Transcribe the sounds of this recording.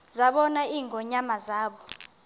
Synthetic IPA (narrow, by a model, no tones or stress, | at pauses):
zaɓɔnaiːŋʱɔɲamazaːɓɔ